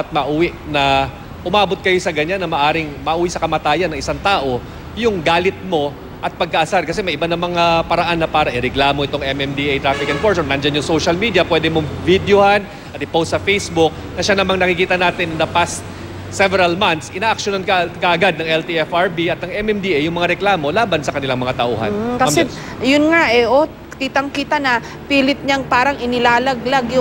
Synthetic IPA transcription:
t̪̚mɐʔuːwɪʔnɐ | ʔʊmaːbo̞t̪̚kɐjo̞sɐɡɐɲanːɐmɐʔaːɾɪŋmɐʔʔuːwisɐkɐmɐt̪aːjɐnɐŋʔɪsaŋt̪aːʔo̞ | jʊŋɡaːlɪt̪̚mo̞ | ʔɐt̪̚pɐɡ̚kɐʔɐsaɾkɐsɛmɐjʔɪbanɐmɐŋapɐɾɐʔanːɐpaːɾɐʔɪɾɛɡlaːmo̞ʔɪt̪oŋʔɛmɛmd̪iʔejt̪ɾafɪkɛnfoɹsonnɐnd͡ʒanjʊŋsowʃɐlmiːd̪jɐpwɛːd̪ɛmoŋvid̪johan | ʔɐt̪ɪpot̪sɐfejsbʊk̚nɐʃanɐmaŋnɐkɪkiːt̪ɐnaːt̪ɪnːɐnd̪ɐpast̪̚ | sɛvɛɾɐlmant̪sʔɪnaːʔɐk̚ʃonankɐkɐʔɐɡad̪̚nɐŋɛlt̪iʔɛfaɹbiʔɐt̪̚nɐŋɛmɛmd̪iʔejʊŋmɐŋaɾɛklaːmo̞laːbɐnsɐkɐnɪlaŋmɐŋat̪ɐʔuːhɐ̰nːkɐɐsɛ | jʊnŋaʔɛʔo | kiːt̪ɐŋkiːt̪ɐnɐ | piːlɪt̪̚ɲɐŋpaːɾɐŋɪnɪlaːlɐɡlaɡjʊ

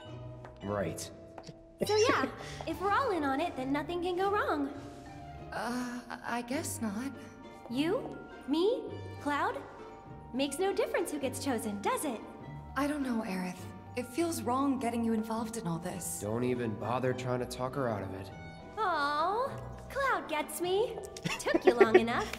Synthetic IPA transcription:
ɹa̰ɪt̚ | soʊjæɨfwəɹɔlˠɪ̃nə̃nɪt̪̚ðɨ̃nːʌθɪ̃ŋkɨ̃nɡoʊɹɔ̃ŋ | ʌa̰ɪɡɛsnət̚ | jɨ | mikʰl̥aʊd | meɪksnoʊdɪfɹɨ̃nshʉɡɛtst͡ʃʰoʊzɨ̃ndʌzɪt̚ | aɪɾõʊ̃nːoʊʔɛɹɨθ | ɨtfilˠzɹɔ̃ŋɡɛɾɪ̃ŋjɨɨ̃ɱvɑlˠvdɨ̃nɔlˠðɪsd̥õ̰ʊ̃ntivɨ̃nbɑ̰ðə˞tʰɹ̥aɪɪ̃ŋtʰɨtʰɔkə˞aʊɾʌ̰vɪ̰t̚ | oʊ | kʰl̥aʊd̚ɡɛtsmi | tʰʊkjɨlɔ̃ŋɨnʌf

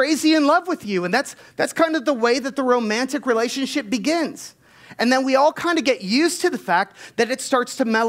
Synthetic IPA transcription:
ɹ̥eɪziɨ̃nlʌvwɨðjʉɨ̃nðætsðætskʰãɪ̃ndʌvðəweɪðɨt̪̚ðəɹõʊ̃mæ̃ntɨkɹileɪʃɨ̃nʃɪp̚b̥ɨɡɪ̃nz̥ | ɨ̃nðɨ̃nwiɔlˠkʰãɪ̃ndɨɡɛʔjʉztʰɨðɨfæk̚t̪̚ðɨɾɨtstɑɹtstʰɨmɛlˠ

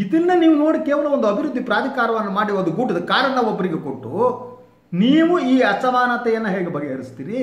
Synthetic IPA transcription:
id̪inːɐniːʋuno̞ːɽikɛːʋɐlɐond̪uɐbʱiɾud̪ːipɾaːd̪ʱikaːɾɐʋɐnːɐmaːɽiɐd̪uɡuːʈid̪ɐkaːɾɐnːɐʋobːɐɾiɡekoʈːṵ | niːʋuiːɐsɐʋaːnat̪ɛjɐnːɐɦɛːɡebɐɡeɦɐɾist̪iːɾi

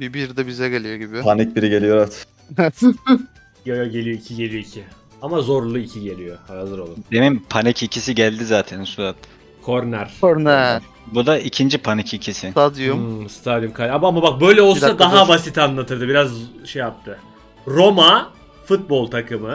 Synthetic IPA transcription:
bibiɾd̪ɛbizɛɟelʲijoɟibipʰanɛc̚biɾiɟe̞lʲijoɾat̪ | jojoɟe̞lʲijo̞icʰiɟe̞lijo̞icʰi | amazo̞ɾlˠuicʰiɟe̞lʲijohaazɯɾolˠd̪emimpʰanɛcicʰisiɟælʲd̪izaːt̪ʰænsuɾat̪ | kʰoɾnæɾ̥koɾnæɾ | bud̪aicʰind͡ʒipʰanicicʰisɪad̪ijomst̪ʰad̪imkʰalʲamamabak̚bø̞jlʲɛo̞lˠsad̪aɦabasit̪anlˠat̪ʰɯɾd̪ɯbiɾazʃejap̚t̪ʰɯ | ɾo̞ma | fut̪̚bo̞lˠt̪ʰakʰɯmɯ

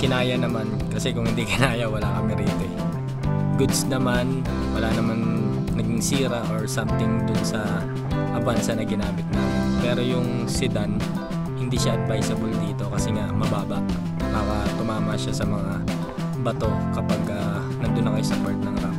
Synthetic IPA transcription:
kɪnaːjɐnɐmankɐsɛkʊŋhɪnd̪ikɪnaːjɐwɐlakɐmɛɾiːt̪oɛ | ɡʊd̪snɐman | wɐlanɐman | nɐɡɪŋsiːɾɐʔoɹsamt̪ɪŋd̪ʊnsɐ | ʔɐbansɐnɐɡɪnaːmɪt̪̚nɐpɛːɾo̞jʊŋ | sɪd̪an | hɪnd̪iːʃaʔɐd̪̚vajsɐbold̪iːt̪o̞kɐsɛŋaʔmɐbaːbɐʔ | paːɾɐt̪ʊmaːmɐʃasɐmɐŋa | bɐt̪o̞kɐpaɡɐ | nɐnd̪ʊnːɐkɐjosɐpaɹt̪̚nɐŋɾa̰f

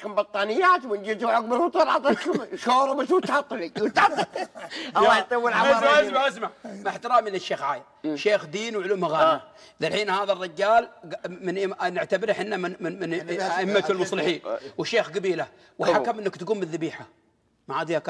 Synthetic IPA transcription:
kʊmbɑt̪ˤːɑːnɪjːaːt̪wɪnd͡ʒit̪uwʕaɡ̚bɪlwʊt̪ˤɑɾˤʕɑt̪ˤkʃoːɾˤbɪt̪wt̪ɑt̪ˤːliwt̪ɑt̪ˤː | lːɑjt̪ˤiwːɪlʕaasmaʕasmaʕʔas̬maʕmaħt̪ɪɾaːmilɪʃːeːxʕaːjɪ | ʃeːxd̪iːnwʕʊluːmaɣaːa | ðalħiːnhaːðarˤːɪd͡ʒːaːlɡmɪnʔnɪʕt̪abɪɾħɪnːammɪnaʔɪmːat̪lmʊsˤlɪħiːnwɪʃeːxɡabiːla | wħakamʔɪnːakt̪aɡuːmbɪðːabiːħa | maʕaːd̪ihaka

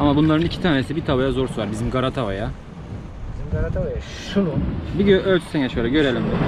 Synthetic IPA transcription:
amabunlˠaɾɯnicʰi̥t̪ʰaːnesibit̪ʰavajazo̞ɾsuvaɾbizimɡaɾat̪ʰavaja | izimɡaɾat̪ʰavaja | ʃunubiɟøʔølʲt͡ʃ̪ʰy̥seɲɛʃøjlʲɛɟø̞ɾelʲimd̪ɛ

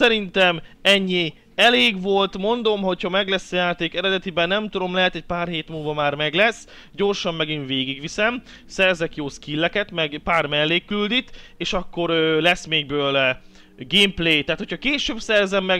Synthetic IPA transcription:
sɛɾint̪ɛmɛɲːi | ɛleːɡʋo̞lt̪mo̞nd̪o̞mɦo̞chɒmɛɡlɛsːɒjaːt̪eːkɛɾɛd̪ɛt̪ibɛnːɛmt̪ud̪o̞mlɛɦɛt̪ɛc̚paːrheːt̪mulvɒmaːrmɛɡlɛsː | ɟo̞rʃɒmːɛɡinveːɡiɡʋisɛm | sɛrzɛkjoːskilːɛkɛt̪mɛɡpaːrmɛlːeːkːyld̪it̪eːʃɒkːo̞ɾøːlɛsmeːɡ̚bøːl | ɡeːmpleːjt̪aɦaːt̪hʰocʰhɒkeːʃøːbsɛrzɛmːɛɡ

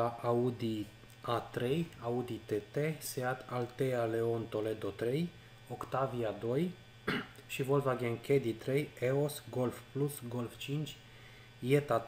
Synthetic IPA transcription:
aʔaud̪i | at̪ɾejaud̪it̪et̪eseat̪ʰalt̪eale̞ont̪o̞led̪ot̪ɾej | okt̪aviad̪o̞j | ʃivolvaɡeŋkʰed̪it̪ɾejeosɡolfplusɡo̞lft͡ʃint͡ʃʲ | jet̪a

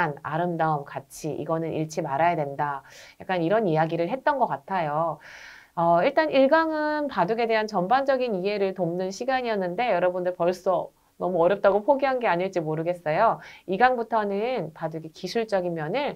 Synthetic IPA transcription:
na̰ɾɯmdaɯmkat͡ɕʰiʔḭɡʌnɯnḭɭt͡ɕʰimaɾajadwe̞ndajak͈aniɾʌnjijaɡiɾɯɭɦe̞t̚t͈ʌnɡʌk͈atʰajo | ʌiɭt͈aniɭɡaŋɯnpaduɡe̞de̞ɦant͡ɕʌmband͡ʑʌɡiniɦe̞ɾɯɭtomnɯnɕʰiɡaɲiʌnːɯnde̞jʌɾʌbundɯɭpʌɭs͈ʌ | nʌmuʌɾjʌp̚t͈aɡopʰoɡiɦanɡe̞aɲiɭt͡ɕ͈imoɾɯɡe̞s͈ʌjoiɡaŋbutʰʌnɯnpaduɡekisʰuɭt͡ɕ͈ʌɡimjʌnɯn

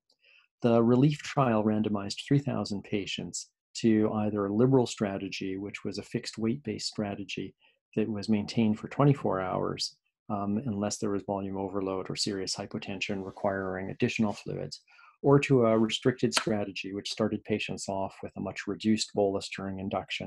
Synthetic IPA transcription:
ðəɹɨliftʰɹ̥aɪl̩ˠɹæ̃ndɨmaɪzdθɹiθa̰ʊz̃n̩pʰeɪʃɨ̃nts | tʰɨaɪðə˞əlɪbə˞l̩ˠstɹ̥æɾɨd͡ʒiwɨt͡ʃwʌzɨfɪkst̚weɪt̚b̥eɪstɹ̥æɾɨd͡ʒi | ðɨʔ̚wʌzmẽɪ̃ntʰẽɪ̃nd̥fə˞tʰw̥ɛ̃ɾ̃ifɔ̰ɹaʊə̰˞z̥ | ɨ̃nlɛsðə˞wʌzvɑlˠjʉ̃moʊvə˞loʊɾə̰˞sɪɹiɨshaɪpətʰɛ̃nʃɨ̃nɹɨkʰw̥aɪɹɪ̃ŋɨ̰dɪʃn̩l̩ˠflʉ̰ɨ̰dz̥ | ə˞ɾəəɹɨstɹ̥ɪk̚tɨd̥stɹ̥æɾɨd͡ʒiwɨt͡ʃstɑɹɾɨd̚pʰeɪʃɨ̃ntsɔfwɨðəmʌt͡ʃɹɨdʉst̚b̥olˠəsdəɹɪ̃ŋɨ̃ndʌkʃɨ̰̃n

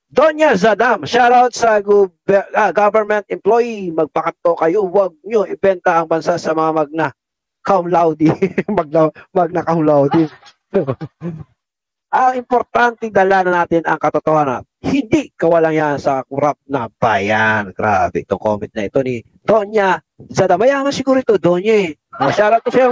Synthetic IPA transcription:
d̪oɲjasɐd̪amʃalaot̪̚sɐɡbɐɡabɛɹmɛnt̪̚ʔɪmplojimɐɡ̚pɐkɐt̪ːokɐjowɐɡ̚ɲoʔɪbɛnt̪ɐʔɐŋbɐnsaʔsɐmɐŋamɐɡ̚nɐ | kɐwlawd̪imɐɡ̚lawmɐɡ̚nɐkɐhlawd̪ɪ | t̪o | ʔɐŋɪmpoɾt̪ant̪ɛŋd̪ɐlaːnɐnaːt̪ɪnɐŋkɐt̪ot̪ohaːnɐ̰t̪̚ | hɪnd̪ikɐwɐlaŋjansɐkʊɾap̚nɐb̥aːjanɡɾabɛɪt̪o̰ŋko̰mɪnt̪̚nɐʔɪt̪o̞ni | d̪̥onjɐ | zɐd̪ɐmɐjamɐsɪɡuːɾoɪt̪od̪oɲjaɛɐmɐʃaːɾot̪osɐjo

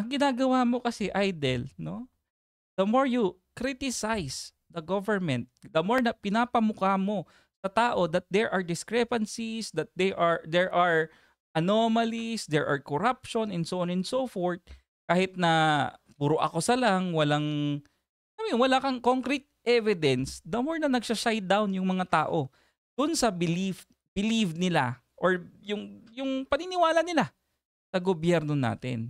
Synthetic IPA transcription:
ʔɐŋɡɪnaːɡɐwamo̞kɐsɛʔajd̪ɛlno̞ | d̪̥ɐmoɹju | kɾit̪ɪsajs | d̪ɐɡovɛɹmɛ̃nt̪̚d̪ɐmoɹnɐpɪnaːpɐmʊkamo̞ | sɐt̪aːʔo̞d̪ɐt̪̚d̪ɛɹʔɐɹd̪ɪskɹɛpɐnsisd̪ɐt̪̚d̪ɛʔaɹd̪ɛɹʔɐɹ | ʔɐnomɐlisd̪ɛɹʔa̰ɹkoɾapʃonɛnsoʔonɛnsofoɹt̪̚ | kaːhɪt̪̚nɐ | bʊɾoʔɐ̰kosɐlaŋwɐlaŋ | lɐmjonwɐlaːkɐŋko̞ŋkɾɛt̪̚ʔɛvɪd̪ɛnsd̪ɐmoɹnɐnɐɡʃɐʃajt̪̚d̪awnjʊŋmɐŋat̪aːʔo̞ | d̪̥ʊnsɐbɪlif | b̥ɪlivnɪla̰ | ʔoɹjʊŋjʊŋpɐnɪnɪwaːlɐnɪla | sɐɡobjɛɾno̞na̰ːt̪ɪ̰n

